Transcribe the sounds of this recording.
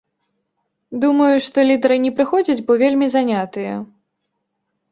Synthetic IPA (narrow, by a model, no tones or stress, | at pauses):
d̪umɐjuʂt̪ɔlʲid̪ɐɾɨnʲɛpɾɨxɔd͡zʲɐd͡zʲbɔvʲelʲmʲizanʲat̪ɨjɛ